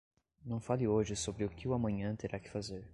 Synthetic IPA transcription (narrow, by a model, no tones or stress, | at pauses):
nɐ̃w̃falɪoʒɪsobɾɪʊkɪʊamɐ̃ɲɐ̃t̪eɾʔakɪ̥fazeɾ